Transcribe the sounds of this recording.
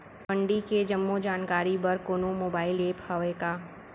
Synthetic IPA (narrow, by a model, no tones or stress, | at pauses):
pə̃ɳɖiked͡ʒəmːod͡ʒaːnkaːɾibəɾkoːnomoːbaːɪleːphɐʋeːkaː